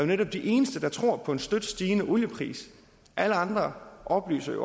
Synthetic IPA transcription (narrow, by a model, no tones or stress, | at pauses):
jo̝neɾ̥ɒ̽b̥̚d̥iʔe̝ːnəsd̥əd̥ɑ̈t͡sʰʁo̝ɐ̰pʰɒ̽e̝nsd̥ød̥sd̥iːnəʔoljəpʰʁḭːs | ʔæləɑ̈nd̥ʁɐʔɒ̽b̥ly̰ːsɐjo̰